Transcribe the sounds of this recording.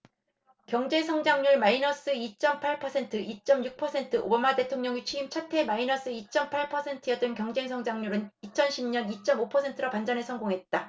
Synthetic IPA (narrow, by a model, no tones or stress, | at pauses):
kjʌŋd͡ʑe̞ŋsʰʌŋd͡ʑaŋɲuɭmainʌs͈ɯit͡ɕ͈ʌmpʰaɭpʰʌsʰe̞ntʰɯʔit͡ɕ͈ʌmjuk̚pʰʌsʰe̞ntʰɯʔo̰bamate̞tʰoŋɲʌŋit͡ɕʰiimt͡ɕʰatʰe̞mainʌs͈ɯit͡ɕ͈ʌmpʰaɭpʰʌsʰe̞ntʰɯjʌt͈ɯnkjʌŋd͡ʑe̞ŋsʰʌŋd͡ʑaŋɲuɾɯnit͡ɕʰʌnɕʰimɲʌnit͡ɕ͈ʌmopʰʌsʰe̞ntʰɯɾʌpand͡ʑanesʰʌŋɡoŋɦe̞t̚t͈a